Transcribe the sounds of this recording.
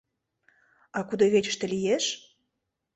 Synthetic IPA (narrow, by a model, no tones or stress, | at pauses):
ɑkud̪oβet͡ɕə̥̆ʃt̪ĕlijeʃ